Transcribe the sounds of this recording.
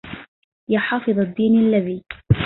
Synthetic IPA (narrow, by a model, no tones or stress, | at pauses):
jaħɑːfɨðˤad̪ːiːnalːaðiː